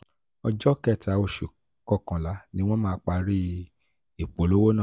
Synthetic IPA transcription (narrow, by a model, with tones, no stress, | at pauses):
ɔ˧d͡ʒɔ˦kɛ˦˨ta˨o˨ʃu˨ | kɔ˦˨kã˨la˨˦nĩ˦w̃ɔ̃˦mãː˦k͡pa˧ɾi˦ | i˨k͡po˨˦lo˦wo˦nã˦˨